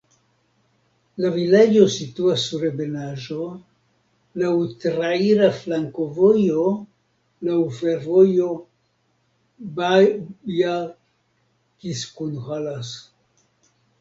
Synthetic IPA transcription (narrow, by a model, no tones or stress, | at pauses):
lavilad͡ʒo̞situasːuɾebe̞naʒo̞ | lawtɾaiɾaflaŋko̞vo̞jo | lawfe̞ɾvo̞jo̞ | baja | kiskunhalas